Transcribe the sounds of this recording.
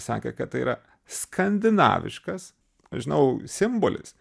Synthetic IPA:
sɑ̰ːkʲɛ̰kɐt̪t̪ɐɪḭːɾɐ | skʰɐnʲd̪ʲɪnɑ̰ːʋʲɪ̰ʃkɐs | ʒʲɪnɐʊsʲɪmbolʲɪ̰s

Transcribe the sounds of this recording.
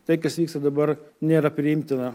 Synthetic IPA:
t̪ɐɪkɐsʋʲiːkst̪ɐd̪ɐbɐɾnʲeːɾɐpʲɾʲɪɪmʲt̪ʲɪnɐ

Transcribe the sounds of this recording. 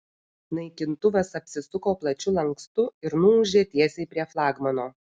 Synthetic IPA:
nɐɪkʲɪnt̪ʊʋɐsɐpʲsʲɪsʊkoːplˠɐt͡ʃʲʊlˠɐŋkst̪ʊɪɾnʊʊʒʲeːt̪ʲiɛsʲɛɪpʲɾʲiɛflˠɑːɡmɐnoː

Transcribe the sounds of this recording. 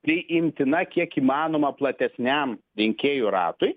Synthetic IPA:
pʲɪɪmʲt̪ʲɪnɐkʲiɛkiːmɑːnoːmɐplˠɐt̪ʲɛsʲnʲæmɾʲɪŋʲkʲeːjuɾɑ̰ːt̪ʊj

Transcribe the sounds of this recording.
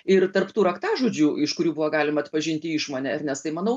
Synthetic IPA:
ɪrt̪ɐrpt̪uːɾɐkt̪ɑːʒuːd͡ʒʲuːɪʃkʊɾʲuːbʊʋɐːɡɑːlʲɪmɐɐt̪pɐʒʲɪnʲt̪ʲɪɪʃmoːnʲɛɪrnʲɛst̪ɐɪmɐnɐʊ

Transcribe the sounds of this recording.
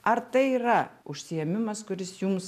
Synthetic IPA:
ɐɾt̪ɐɪiːɾɐʊʃʲsʲɪjɛmʲɪmɐskʊɾʲɪsjʊms

